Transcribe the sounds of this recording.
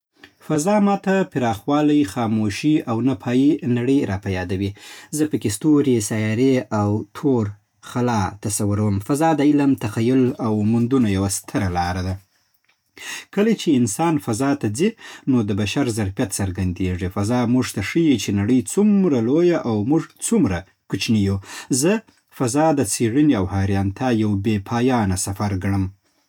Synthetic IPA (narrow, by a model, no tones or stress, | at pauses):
fazɑmɑt̪apɪɾɑxwɑlajxɑmoʃiawnapʰɑjinaɽəjɾɑpajɑd̪awizəpəkest̪oɾesajɑɾeawt̪ʰoɾ | xalɑt̪asawʊɾawəmfazɑd̪əɪlamt̪axajʊlawmʊnd̪unajawast̪ʰəɾalɑɾad̪a | kəlat͡ʃeɪnsɑnfazɑt̪ad͡zinod̪əbaʃaɾzaɾfjat̪saɾɡand̪eʐifazɑmuʐt̪aʂəjit͡ʃenaɽəjt͡sumɾalojaʔawmuʐt͡sumɾa | kut͡ʃnijuzə | fazɑd̪ət͡seɽəniawhɑɾjɑnt̪ʰajawbepʰɑjɑnasafaɾɡɽəm